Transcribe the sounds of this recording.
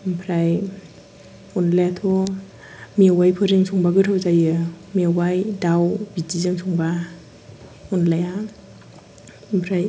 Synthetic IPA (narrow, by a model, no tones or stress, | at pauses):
mpʰɾaj | unlajatʰo | miawajpʰɯɾɯŋsʰuŋbaɡɯtʰawzajɯ | miawajdawbidizɯŋsʰuŋba | unlaja | mpʰɾaj